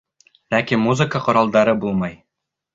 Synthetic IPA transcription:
lækimuzɨkəqŏɾɑlˠd̪ɑɾɤbulˠmɑj

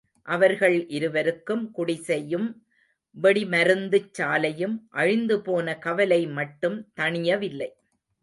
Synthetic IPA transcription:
ʔɐʋɐɾɣɐɭʔɪɾɯʋɐɾɯkːɯmkʊɽɪsɛjɯm | ʋɛɽimɐɾɯnd̪ɯt͡ʃːaːlɐjɯmʔɐɻɪnd̪ɯpoːnɐkɐʋɐlɐɪmɐʈːɯmt̪ɐɳɪjɐʋɪlːɐɪ

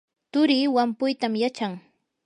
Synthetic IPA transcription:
t̪ʊɾiːwampʊjt̪amjat͡ʃaŋ

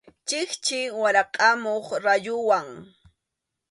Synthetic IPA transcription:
t͡ʃɪχt͡ʃɪwaɾɑqʼɑmoχɾajʊwaŋ

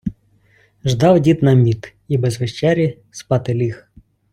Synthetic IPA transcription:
ʒd̪ɑwdʲit̪nɐmʲit̪ | ibɛzʋeʃt͡ʃɛɾʲi | spɑt̪ɪlʲix

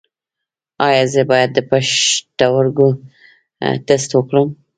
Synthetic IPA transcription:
ɑjɑzəbɑjad̪ːəpaʃt̪awaɾɡo | d̪əst̪wəkɽəm

